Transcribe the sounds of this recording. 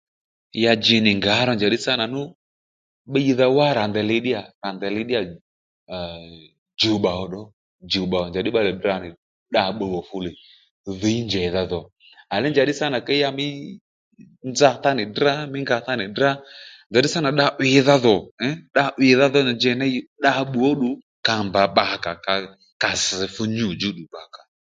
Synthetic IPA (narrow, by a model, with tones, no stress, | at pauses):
ja˧d͡ʒɪ˨nɪ˨ŋɡa˨˦ɾɔ˧nd͡ʒa˨ɗɪ˦sa˦na˨nʊ˦ | ɓə˦i˧ða˧wa˦ɾa˨nd̪ɛ˨lɪ˧ɗɪ˦a˨ɾa˨nd̪ɛ˨lɪ˧ɗɪ˦a˨ | d͡ʒo˨ɓa˨ɔ˧˨ɗɔ˦ | d͡ʒu˨ɓa˨ɔ˨d͡ʒa˨ɗɪ˦ɓa˧lɛ˨da˧˨nɪ˨ | ɗa˧ɓə˧ɣɔ˨fʊ˧li˨ | ðə˨˦i˦nd͡ʒɛ˨˦ða˧ðɔ˨ | a˨lɛ˦nd͡ʒa˨˦ɗɪ˦sa˦na˨kɛ˦a˧mɪ˦ | nd͡za˧˦θa˦nɪ˨da˦mɪ˦ŋɡa˧θa˦nɪ˨dɾa˦nd͡ʒa˨ɗɪ˦sa˦na˨ɗa˧ʔwɪ˨ða˧ðɔ˨ɛ˦ɗa˧ʔwɪ˨ða˦ðɔ˦n˨nd͡ʒɛ˨nɛ˦ji˦ɗa˧ɓu˨ɔ˦ɗʊ˨ | ka˨mba˨ɓa˨ka˨ka˨ | ka˨sɪ˨fʊ˧ɲu˨d͡ʒu˦ɗu˨ɓa˨ka˨